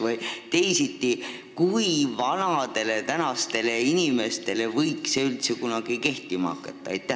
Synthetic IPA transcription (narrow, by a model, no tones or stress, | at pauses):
vojt̪e̞jsit̪ːˑi | kuivɑnɑd̪e̞le̞t̪ænɑst̪e̞le̞inʲime̞st̪e̞le̞vɤjkseylt̪sekunɑɡ̥ike̞ht̪ˑimɑ̰kːˑet̪ːˑɑejt̪ːˑæ